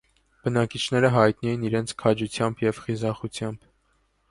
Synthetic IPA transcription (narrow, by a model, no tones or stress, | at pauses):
b̥ənɑkit͡ʃʰnɛɾəɦɑjt̪nɛjiniɾɛnt͡sʰkʰɑd͡ʒut͡sʰjɑmbjɛvχizɑχut͡sʰjɑmb̥